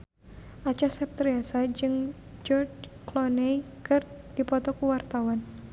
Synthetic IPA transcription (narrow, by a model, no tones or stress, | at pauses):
ʔat͡ʃasɛp̚t̪ɾiasad͡ʒɨŋ | d͡ʒɔrt͡ʃklɔnɛ | kɨrd̥ipɔt̪ɔkuwart̪awan